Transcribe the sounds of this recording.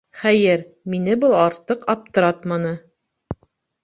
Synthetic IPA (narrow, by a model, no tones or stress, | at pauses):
χæjɘɾ | minɘbɤlˠɑɾt̪ɤqɑp̚t̪ɤ̆ɾɑt̪mɑnɤ